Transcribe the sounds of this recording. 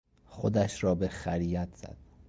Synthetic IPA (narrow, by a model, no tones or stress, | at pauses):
xod̪æʃɾɒːbexæɾiːjæt̪ʰz̥æ̰d̪̥